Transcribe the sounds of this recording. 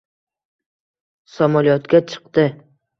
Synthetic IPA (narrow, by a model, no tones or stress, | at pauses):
samɒlijɒt̪kʲat͡ʃʰɨ̥q̚t̪ɪ